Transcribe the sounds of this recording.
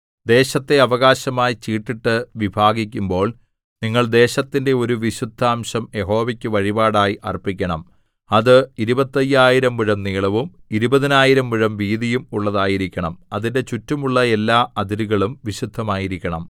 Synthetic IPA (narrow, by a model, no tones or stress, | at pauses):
d̪e̞ːɕɐt̪ːe̞ɐʋɐɣaːɕɐmaːjit͡ɕiːʈːiʈːɨʋibʱaːɡikʲːumbo̞ːɭ | niŋːɐɭd̪e̞ːɕɐt̪ːinde̞o̞ɾuʋiɕud̪ʱːaːmɕɐmje̞ɦo̞ːʋɐkʲːɨʋɐɻibaːɽaːjiʔɐ̰rpːikʲːɐɳɐm | ɐðɨiɾubɐt̪ːɐjaːjiɾɐmʋiɻɐmniːɭɐʋumiɾubɐðinaːjiɾɐmʋiɻɐmʋiːðijumuɭːɐðaːjiɾikʲːɐɳɐmɐðinde̞t͡ɕutːumuɭːɐe̞lːaːɐd̪iɾuɣɐɭumʋiɕud̪ʱːɐmaːjiɾikʲːɐɳɐm